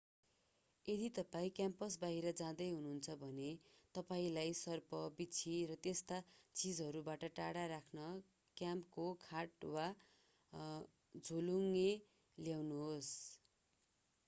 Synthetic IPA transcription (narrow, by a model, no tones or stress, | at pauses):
ed̪it̪ʌpaĩkjampʌsbaɦiɾʌd͡zãd̪ʌjɦununt͡sʰʌbʱʌnet̪ʌpaĩlajsʌrpʌbit͡sʰiɾʌt̪est̪at͡sid͡zɦʌɾubaʈʌʈaɽaɾakʰnʌ | kjampkokʰaʈwa | d͡zʱoluŋe | ljawnuɦos